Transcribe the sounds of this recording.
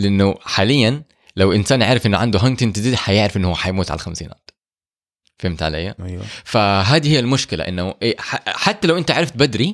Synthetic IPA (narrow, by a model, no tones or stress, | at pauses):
lɪʔɪnːʊħaːlɪjːan | lawʔɪnsaːnʕaːɾɪfʔɪnːʊʕand̪uɦant̪ɪnt̪ɪd̪id̪ħajɪʕɾɪfʔɪnːhʊwːħajmuːt̪ʕa̰l̰xamsiːna̰ːt̪ | fhɪmt̪ʕa̰lajːafaɦaːd̪iːhɪjːalmʊʃkɪla̰ʔɪ̰nːʊʔħaħat̪ːalawʔɪnt̪aʕaɾɑft̪̚bad̪ɾi